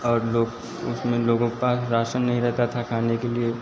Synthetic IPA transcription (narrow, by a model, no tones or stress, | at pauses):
ɔːɾloːɡ | ʊsmẽloːɡõkepaːsɾaːʃənːɐɦĩɾɛɦt̪at̪ʰakʰaːnekelie